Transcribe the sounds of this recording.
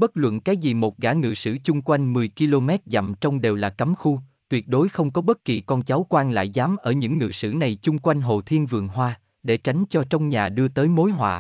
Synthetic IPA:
ɓə˦˥t̚lwə̰˧˨nkaː˨˦jzi˨˩mo˨˩t̚ɣaː˧˩ŋɨ̰˧˨sɨ̰˧˥t͡ɕʊ˧ŋ͡mkwa˧jŋ̟mɨ˨˩əjki˧lo˧mɛ˦˥t̚za̰˧˨mt͡ɕɔ˧wŋ͡mɗe˨˩wlaː˨˩kə˨˦mxu˧t̪wi˨˩ət̚ɗo˨˦jxə˧wŋ͡mkɔ˨˦ɓə˦˥t̚ki˨˩kɔ˧nt͡ɕa˨˦wkwaː˧nla̰ː˧˨jzaː˨˦mʔəː˧˩ɲɨ̰˧˥ŋːɨ̰˧˨sɨ̰˧˩na˨˩jt͡ɕʊ˧ŋ͡mkwa˧jŋ̟ɦo̰˧˨˩t̪ʰi˧ənvɨ˨˩əŋɦwaː˧ | ɗe˧˩t͡ɕa˨˦ŋ̟t͡ɕɔ˧t͡ɕɔ˧wŋ͡mɲaː˨˩ɗɨ˧ət̪əː˨˦jmo˨˦jɦwa̰ː˧˨

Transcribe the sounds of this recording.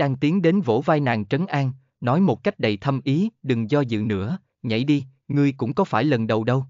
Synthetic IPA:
ɗaː˧ŋt̪i˨˦əŋɗe˨˦nvo̰˧˥vaː˧jna̰ː˨˩ŋt͡ɕə˨˦nʔaː˧ŋ | nɔ˨˦jmo˨˩t̚ka˦˥jk̟̚ɗə˨˩jt̪ʰə˧mʔi˨˦ɗɨ˨˩ŋzɔ˧zɨ̰˧˨nɨ̰˧˥ə | ɲə̰˧˩jɗi˧ | ŋɨ˧əjkʊ̰˧˥ŋ͡mkɔ˨˦faː˧˩jlə˨˩nɗə˨˩wɗə˧w

